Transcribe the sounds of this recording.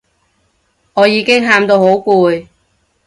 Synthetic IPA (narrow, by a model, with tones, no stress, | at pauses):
ŋɔː˨˧jiː˨˧˥kɪ˥ŋɦaː˧mt̪o˧who˨˥wkuː˧j